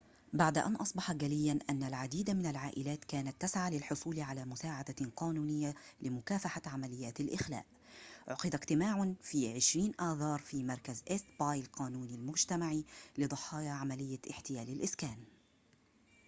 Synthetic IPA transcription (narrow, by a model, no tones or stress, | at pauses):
baʕd̪aʔa̰nʔɑsˤbɑħɑɡalɪjːanʔanːalʕad̪iːd̪amɪnalʕaːʔɪlaːt̪kaːnat̪ːasʕaːlɪlħʊsˤuːlʕalaːmʊsaːʕad̪aqɑːnuːnɪjːalɪmʊkaːfaħaʕamalɪjːaːt̪alʔɪxla̰ːʔ | ʕʊqɨd̪akt̪ɪmaːʕʊnfiːʕɪʃɾiːnʔɑːðɑːɾˤfiːmɑɾˤkazʔɪst̪bɑːjlqɑːnuːnalmʊd͡ʒt̪amaʕilɨd̪ˤɑħɑːjaʕamalɪjːaʔɪħt̪ɪjaːlɪlʔɪskaːn